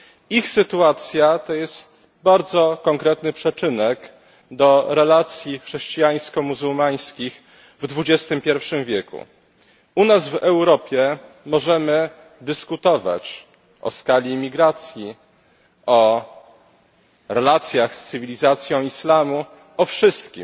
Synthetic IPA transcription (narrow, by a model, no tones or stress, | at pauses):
ixsɘt̪uat̪sʲjat̪ɔjɛst̪ | baɾd̪zɔkɔŋkɾɛt̪nɘpʂɛt͡ʂɘnɛk | d̪ɔɾɛlat̪sʲjixʂɛɕt͡ɕijaj̃skɔmuzumaj̃skʲix | vd̪vud͡ʑɛst̪ɘmpʲjɛɾfʂɘmvʲjɛkṵ | unazvɛwɾɔpʲjɛ | mɔʐɛmɘ | d̪ɘskut̪ɔva̰t͡ɕ | ʔɔ̰skalʲiːmʲiɡɾat̪sʲji | ɔ | ɾɛlat̪sʲjaxst̪sɘvʲilʲizat̪sʲjɔ̃w̃islamu | ɔfʂɘst̪kʲḭm